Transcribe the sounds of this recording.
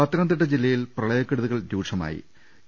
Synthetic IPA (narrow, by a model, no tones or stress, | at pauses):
ɐt̪ɾɐnd̪ɐʈ̬ːɐd͡ʑilːɐjilprɐɭɐjɐkːeɽuðuɣɐɭd̪uːʂʰɐma̰ːjḭ